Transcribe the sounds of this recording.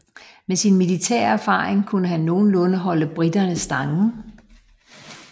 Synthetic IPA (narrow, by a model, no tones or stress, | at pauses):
mesinmilit͡sʰɛ̰ɐ̰æɐfɑ̈ːʁeŋkʰunəɦænːo̝ːn̩lɔ̽nəɦɒ̽ləb̥ʁid̥ɐnəsd̥ɑ̈ŋn̩